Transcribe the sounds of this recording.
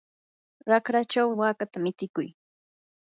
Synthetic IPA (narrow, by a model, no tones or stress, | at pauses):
ɾakɾat͡ʃawɪwaːkat̪amɪt͡sɪkʊj